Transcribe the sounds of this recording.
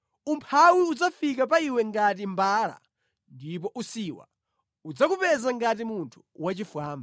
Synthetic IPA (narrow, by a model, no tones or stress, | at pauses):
umpʰawiud͡zafikap̬aiwɛŋɡat̬imbaːɾa̰ | ndip̬ɔʔusiwa̰ | ud͡zakupɛzaŋɡatimuntʰu̥wat͡ʃifwaːmba